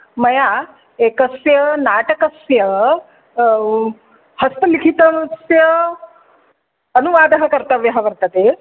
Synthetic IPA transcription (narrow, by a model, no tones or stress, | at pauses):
mɐja | ekəsjənaʈəkəsjə | həst̪əlikʰit̪ənsjə | ənuʋaːd̪əɦəkəɾt̪əʋjɐɦaʋəɾt̪ət̪e